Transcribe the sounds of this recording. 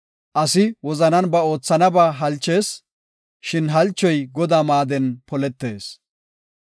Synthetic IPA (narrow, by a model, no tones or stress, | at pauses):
ʔɐsɪwɔzɐnɐnbɐo̞ːt͡sːɐnɐbaːɦɐlt͡ʃːe̞ːs | ʃɪnɦɐlt͡ʃːɔjɡɔd̪aːmaːd̪ɛnpɔlɛt̪ːe̞ːs